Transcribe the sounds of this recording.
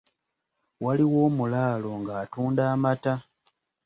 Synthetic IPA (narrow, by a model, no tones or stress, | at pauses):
waliwo̞ːmulaːlo̞ŋɡaːtuːndaːmata